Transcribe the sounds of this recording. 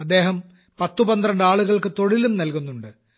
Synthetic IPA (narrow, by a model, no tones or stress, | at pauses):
ɐd̪ːe̞ːɦɐm | pɐt̪ːubɐnd̪rɐɳɖaːɭuɣɐɭkɨt̪o̞ɭilumnɐlkunːuɳɖɨ